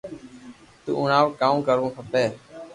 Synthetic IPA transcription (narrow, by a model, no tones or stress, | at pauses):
t̪ṵːʊnaːʋkaːũːkəɾʋõːpʰəpeː